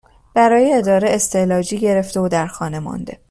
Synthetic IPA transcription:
b̥æɾɒːjeːd̪ɒːɾeʔest̪ʰe̞lɒːd͡ʒiːɟe̞ɾe̞ft̪e̞od̪æɾxɒːne̞mɒ̰nd̪e

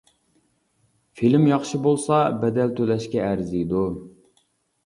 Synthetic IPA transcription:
filmjɑχʃibolˠsɑbɛd̪ɛlt̪ʰølɛʃkʲɛæɾzid̪u

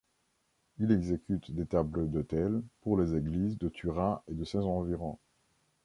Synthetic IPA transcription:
ilɛɡzekʲyt̪d̪et̪abləd̪ot̪ɛlpuʁlezeɡlizd̪ət̪ʰyʁãed̪əsɛ̃zɑ̃viʁɔ̃

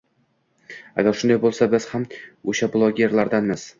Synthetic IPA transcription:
a̰ɡʲaɾʃʊnd̪ajbolˠsabɪz̥hamoʃablˠoɡʲe̞ɾlaɾd̪anmɪz̥

